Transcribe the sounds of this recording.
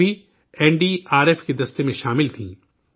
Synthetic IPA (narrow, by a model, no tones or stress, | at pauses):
i | ɛːɳɖiːaːɾeːfked̪ɐst̪emẽʃaːmɪlt̪ʰĩː